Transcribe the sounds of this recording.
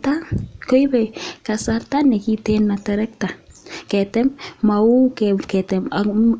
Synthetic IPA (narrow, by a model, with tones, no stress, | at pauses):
ta˦ko˦jbɛ˨ka˨sarta˦nɛ˨ki˦tena˨tɛɾɛ˦k̚ta˨kɛtɛ˦mma˨u˦kɛkɛ˨tɛma